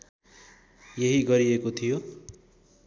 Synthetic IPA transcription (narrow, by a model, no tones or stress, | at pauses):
jeɦiɡʌɾiekot̪ʰijo